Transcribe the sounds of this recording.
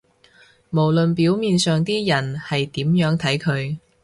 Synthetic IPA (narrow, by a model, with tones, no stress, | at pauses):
mo˨˩wlɵ˨npiː˨˥wmiː˨˧nsœː˨ŋt̪iː˥jɐ˨˩nhɐ˨jt̪iː˨˥mjœː˨˥ŋt̪ʰɐ˨˥jkʰɵ˨˧ɥ